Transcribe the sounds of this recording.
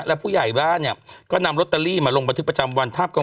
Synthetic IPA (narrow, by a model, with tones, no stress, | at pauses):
lɛ˦˥pʰuː˥˩ja˨˩jbaː˥˩nnːi˥˩ɐkɔː˥˩na˧mɾo˦˥t̪̚ːa˧liː˥˩maː˧lo˧ŋba˧nt̪ɯ˦˥pɾa˧t͡ɕa˧mwa˧nt̪ʰaː˥˩p̚ka˧